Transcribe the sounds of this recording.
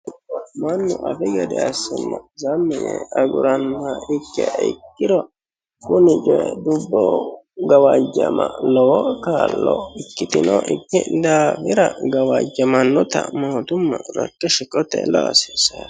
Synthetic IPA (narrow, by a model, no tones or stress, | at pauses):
ɪkːɔmɐnːʊʔɐfɛɡɛd̪ɛɐsːʊmːɐzɐmːɪjɛɐɡʊɾɐnaɪkːɛʔkːɪd̪ɔ | kʊnɪd͡ʒɔjɛd̪ʊbːɔɡɐwɐd͡ʒːɐmɐlɔwɔkaːlːɔɪkːɪt̪ɪnɔʔɪkːɪd̪afɪɾɐɡɐwɐd͡ʒːɐmɐnːɔt̪ɐmoːt̪ʊmːɐɾɐ̰kːɛʃɪkʼɔt̪ɛlɔɐsesɐ